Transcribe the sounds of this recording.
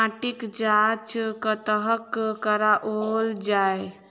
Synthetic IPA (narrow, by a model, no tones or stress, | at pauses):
aʈikd͡ʒat͡ʃkət̪əɦəkkəɾaʔold͡ʒae